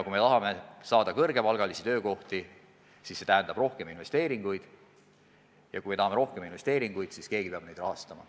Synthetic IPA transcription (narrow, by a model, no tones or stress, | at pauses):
kume̞t̪ɑɦɑme̞sɑːd̪ɑkɤrɡ̥e̞pɑlɡ̥ɑlisit̪ø̞ːko̞ht̪i | sisːe̞t̪æɦænd̪ɑb̥ro̞hke̞minve̞st̪e̞ːɾiŋɡ̥ujd̪̥ | jɑkujmeɑɦɑme̞ɾo̞hkeminve̞st̪e̞ːɾiŋɡ̥ujd̪̥siske̞ːɡ̥ipeɑb̥ne̞jd̪̥rɑɦɑst̪ɑmɑ̰